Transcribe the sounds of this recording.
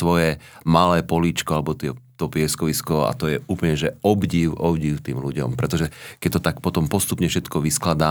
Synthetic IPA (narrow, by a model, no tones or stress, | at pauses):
ʋɔjɛmalɛːpɔliːt͡ʃkɔalɛbɔt̪ɪɛt̪ɔpɪɛskɔʋiskɔa̰t̪ɔjɛʔuːpl̩ɲɛʒɛɔbɟiːʊʔɔbɟiːʊt̪iːmluɟɔ̰mpɾɛt̪ɔʒɛkɛc̚t̪ɔt̪akpɔt̪ɔmpɔst̪upɲɛfʃɛt̪kɔʋisklad̪aː